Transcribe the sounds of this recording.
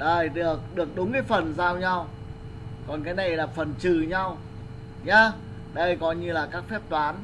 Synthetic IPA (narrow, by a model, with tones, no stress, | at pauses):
ɗəː˨˩jɗɨ˨˩ək̚ɗɨ˨˩ək̚ɗʊ˨˦ŋ͡mkaː˨˦jfə˨˩nzaː˧wɲa˧w | kɔ˨˩nkaː˨˦jna˨˩jlaː˨˩fə˨˩nt͡ɕɨ˨˩ɲa˧w | ɲaː˧ | ɗə˧jkɔ˨˧˦ɲɨ˧laː˨˩kaː˦˥k̚fɛ˦˥p̚t̪waː˨˦n